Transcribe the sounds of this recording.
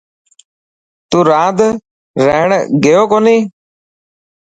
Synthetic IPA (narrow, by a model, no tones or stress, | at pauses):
t̪uːɾãːd̪ | ɾəɦɳɡejoːkoːniː